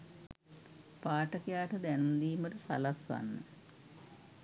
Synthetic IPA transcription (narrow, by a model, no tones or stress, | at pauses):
paːʈɐkijaːʈɐd̪ɛnund̪iːməʈəsa̰lɐsa̰nːə